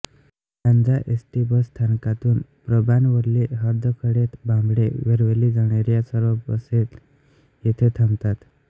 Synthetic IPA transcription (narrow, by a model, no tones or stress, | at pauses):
tãnd͡zaʔesʈibəst̪ʰankat̪uːnpɾəbanʋəɾleɦəɾd̪ʱəkʰəɽet̪bʱãmbɽeʋeɾʋelid͡zəɽ̃eɾjasəɾəbəset̪ | jet̪ʰet̪ʰamt̪at̪